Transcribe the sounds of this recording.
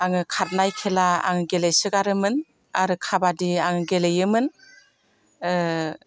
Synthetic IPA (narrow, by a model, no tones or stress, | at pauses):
aŋɯkʰaɾ̚najkʰelaa̰ŋɯɡelejsɯɡaɾɯmɯn | aɾɯkʰabadiaŋɯɡelejɯmɯn